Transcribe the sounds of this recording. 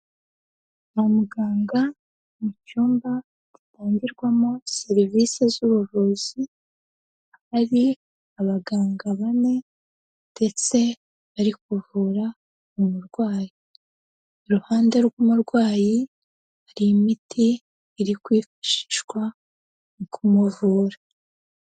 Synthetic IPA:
momuɡaːŋɡa | mucuːmba | ditaːɲɟiɾɡwamoseɾivisezuβuβoːzi | haɾi | aβaɡaːŋɡaβane̞ | nde̞t͡se̞ | βaɾikuvuːɾa | mumuɾɡwaːji | ɾuhaːnde̞ɾɡumuɾɡwaːji | haɾiːmitʰiː | ɾikwiːfḁʃi̥ʃɡwa | nikʰumuvuːɾa

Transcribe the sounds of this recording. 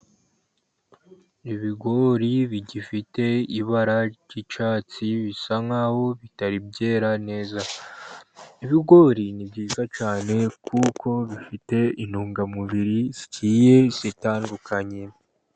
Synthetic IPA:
iβiɡo̞ɾiβiɟifite̞iβaɾaɟit͡ʃaːt͡siβisaŋaho̞βitaɾibɟe̞ːɾane̞ːza | iβiɡo̞ɾinibɟiːzat͡ʃaːne̞kʰukʰo̞βifite̞inuːŋɡamuβiɾiziciːje̞sitaːndukaɲe

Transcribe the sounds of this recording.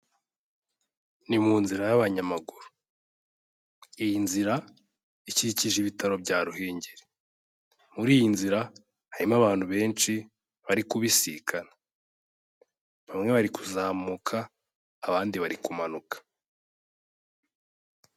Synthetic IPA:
nimuːnziɾajaβaɲamaɡuɾu̥ | ijinziɾa | iciɾiciʒiβitaɾo̞bɟaːɾuɦeːɲɟeɾe | muɾiːjinziɾa | haɾimaβaːn̥huβe̞ːnt͡ʃi | βaɾikuβisikʰana | βamŋe̞βaɾikʰuzaːmukʰaː | βaːndiβaɾikumanukʰḁ

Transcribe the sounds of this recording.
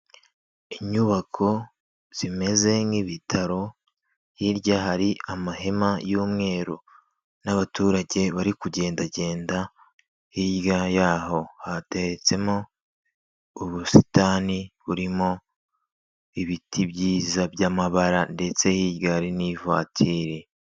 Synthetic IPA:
iɲuβakʰo̞ | z̥ime̞ze̞ŋiβitʰaɾo̞ | hiɾɟaɦaɾiamaɦe̞majuːmŋe̞ːɾo | naβatuːɾaɟe̞βaɾikuɟe̞ːndaɟe̞ːnda | hiɟɡajaːho̞hate̞ɾet͡se̞mo | uβusi̥taːniβuɾimo̞ | iβitʰibɟiːzabjaːmaβaɾande̞t͡se̞hiːɟɡaɾiniva̰ːtʰiːɾe̞

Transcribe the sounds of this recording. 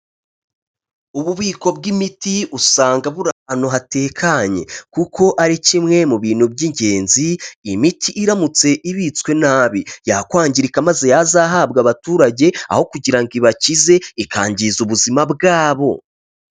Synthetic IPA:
uβuβiːko̞bɡimitiusaːŋɡaβuɾaano̞ɦateːkʰaɲe̞̰kukʰo̞ʔaɾicimŋe̞muβiːn̥hubɟiɲɟe̞ːnziːmitʰiʔːɾamut͡se̞ʔiβit͡skwe̞naːβijakwaːɲɟiɾikamaze̞jazaːɦab̚ɡaβatuːɾaɟe̞a̰ho̞kuɟiɾaŋɡiβacize̞ikʰaːɲɟizuβuzimabɡaːβo̞

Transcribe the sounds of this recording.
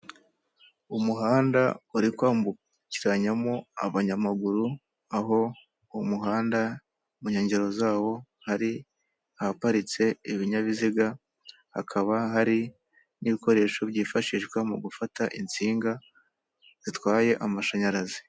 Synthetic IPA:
umuɦaːnda̰uɾikwaːmbu | ciɾaɲamo̞a̰βaɲamaɡuɾu | aɦo̞ | umuɦaːnda | muɲe̞ːɲɟeɾo̞zaːwo̞ | haɾi | ahapaɾit͡se̞iβiɲaβiziɡa | ha̰kʰaβaɦaɾi | niβiko̞ɾe̞ːʃo̞βɟiːfaʃiʃɡwamuɡufataʔint͡siːŋɡa | z̥itwaːje̞ʔamaʃaɲaɾazi̥

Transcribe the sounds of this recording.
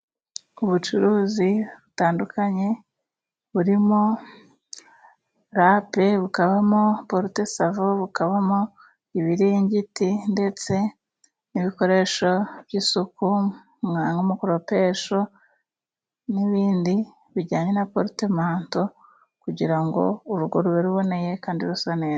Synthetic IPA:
uβut͡ʃuɾuːziβutaːndukaɲe̞ | βuɾimo̞ | ɾape̞βukaβamo̞poɾute̞savoβukaβamo | iβiɾiɲɟitinde̞t͡se̞ | niβiko̞ɾe̞ːʃo̞βjiːsuku | ŋaŋɡomukuɾope̞ːʃo̞ | niβiːndi | βiɾɟaːɲe̞napoɾitemaːnto̞ | kuɟiɾaŋɡo̞̰uɾuɾɡo̞ɾuβeɾuβo̞ne̞je̞kaːndiɾusaneː

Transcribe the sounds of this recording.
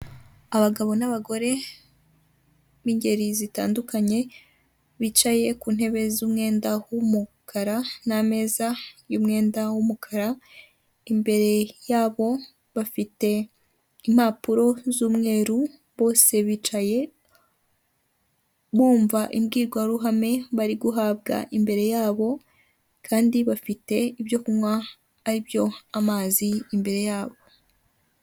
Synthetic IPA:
aβaɡaβo̞naβaɡo̞ɾe̞ | βiɲɟe̞ɾizita̰ːndukaɲe̞ | βit͡ʃaje̞kuːn̥he̞βe̞zuːmŋe̞ːndawumukʰaɾaname̞ːzajuːmŋe̞ːndawumukʰaɾa | imbe̞ɾe̞jaːβo̞ | βafite̞ | imhapuɾo̞zuːmŋe̞ːɾu | βo̞ːse̞βiːt͡ʃaje̞ | βuːɱvaʔimɡiːɡwaɾuɦame̞βaɾiɡuɦaːbɡa̰ʔimbe̞ɾe̞jaːβo̞ | kʰaːndiβafite̞ibjo̞kumwaː | ɾibjo̞amaːziːmbe̞ɾe̞jaːβo̞

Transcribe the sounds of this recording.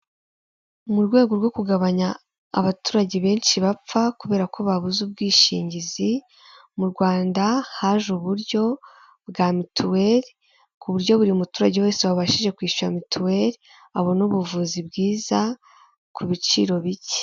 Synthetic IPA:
muɾɡwe̞ːɡo̞ɾɡo̞kuɡaβaɲa̰ː | βatuːɾaɟeβe̞ːnʃiβap͡fakuβe̞ːɾakʰo̞βaβuzub̚ɡiːʃḭːɲɟizi | muɾɡwaːndahaʒuβuɾɟo̞ | bɡaːmitʰuweɾ | kuβuɾɟo̞βuɾiumutuːɾaɟewe̞ːseβaβaʃiʒe̞kwiːʃuɾamituwe̞ɾ | aβo̞nuβuvuːzibɡiːza | kʰuβit͡ʃiɾo̞βice̥

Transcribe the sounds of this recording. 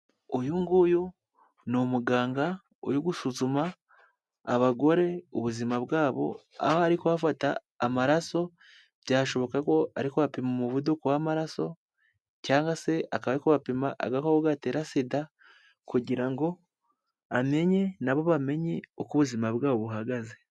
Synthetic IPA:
ojuŋɡuju | nomuɡaːŋɡa | o̰juɡusuzumaː | βaɡo̞ɾe̞uβuzimabɡaːβo̞̰ | a̰hoaɾikoβafataː | maɾaso̞ | bjaːʃo̞βo̞kako̞ʔaɾikoβapimomuβudukowamaɾaso̞ | caːŋɡase̞akaβaɾikoβapimaʔa̰ɡakooɡateːɾasida | kuɟiɾaŋɡo̞ | ame̞ɲe̞naβo̞βame̞ɲeokuβuzimaβɡaːβoβuɦaɡaze

